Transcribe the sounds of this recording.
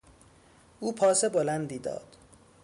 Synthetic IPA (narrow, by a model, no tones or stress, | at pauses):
uːpʰɒːsebolænd̪iːd̪ɒ̰ːd̪̥